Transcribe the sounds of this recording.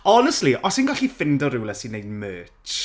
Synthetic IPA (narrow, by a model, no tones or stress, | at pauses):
ɔnəstliʔɔsinɡaχifɪndɔɾɪwləsinejdmøːt͡ʃ